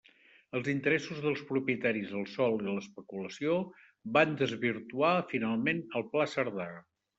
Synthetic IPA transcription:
əlˠzint̪əɾɛsuzðəlˠspɾupjət̪aɾizəlˠsɔlˠiləspəkuləsio | band̪əzβiɾt̪uafinalˠmenəlˠplasəɾða

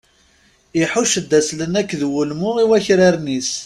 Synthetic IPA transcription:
iħuʃəd̪ːæslənækːðwulmʊiwæçɾaɾnis

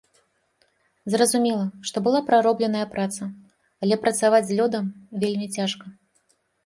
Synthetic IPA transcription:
zrɐzumʲɛlˠɐʂt̪ɔbɨlˠapɾaɾɔblʲɛnɐjɐpɾat̪sɐ | alʲɛpɾɐt̪savad͡zʲzʲlʲɔd̪ɐmvʲelʲmʲit͡sʲaʂkɐ

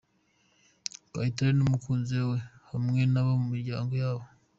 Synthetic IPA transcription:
paiteɾenomukuːnzewe̞hamŋe̞naβomumiɾɟaːŋɡojaːβo

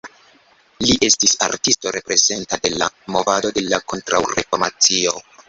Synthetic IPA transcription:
liʔe̞stisa̰ɾtisto̞ɾe̞pɾe̞ze̞ntade̞la̰mo̞vado̞de̞lako̞ntɾa̰wɾe̞̰foɾmat͡sio̞

